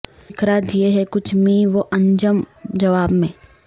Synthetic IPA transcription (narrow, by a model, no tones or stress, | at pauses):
kɾaːd̪jeɦɛkʊt͡ʃʰmĩʋoʔɐ̃ɲd͡ʒəmd͡ʒɐʋaːbmẽː